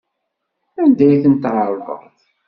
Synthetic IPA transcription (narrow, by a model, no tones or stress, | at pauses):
ænd̪æjθənt̪ʕɑɾˤvə̰ʁˤð